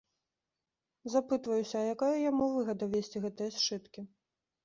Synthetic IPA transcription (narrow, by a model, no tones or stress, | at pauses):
zapɨt̪vɐjusʲɐːjakajɐjamuvɨɣɐd̪ɐvʲesʲt͡sʲiɣɛt̪ɨjɐst͡ʂɨt̪kʲi